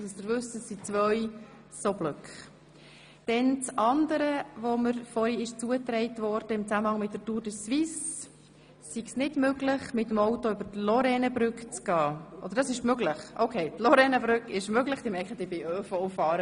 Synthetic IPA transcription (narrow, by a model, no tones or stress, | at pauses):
səsd̪əɾvʏsəsːit͡svœʏ | sobløkχ | d̥ɛnt͡sɑndəɾəvoməɾfɔɾiɪʃt͡suət̪ɾɛɪtʋɔɾd̥əɪmt͡sæməhɑŋmɪt̚dətuːɾdəsʋis | siɡsnɪdmøɡləχmɪtːəmɔwtoʏbəɾtlɔɾɛnəbɾʏkt͡sɡ̥ɑːʔɔd̥̪əɾd̥ɑsɪʃmøɡləχʔoʊkʰeɪtlɔɾɛnəbɾʏkɪʃmøɡləχd̥ɪmɛkəd̥ɪbɪʔøːfɔwfɑːɾə